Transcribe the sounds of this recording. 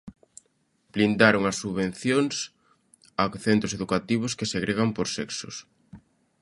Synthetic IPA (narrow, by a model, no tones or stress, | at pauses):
b̥lind̪aɾoŋɐsːuββen̟θjoŋs | akθent̪ɾʊseðukat̪iβ̞ʊskeseɣɾeɣampoɾsɛksʊ̰s